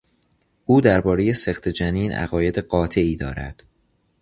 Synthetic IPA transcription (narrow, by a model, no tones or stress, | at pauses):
ʔuːd̪æɾbɒːɾe̞je̞se̞xt̪ʰe̞d͡ʒæniːnʔæ̰ɣɒːje̞d̪eɢɒːt̪ʰe̞iːd̪ɒːɾæ̰d̪̥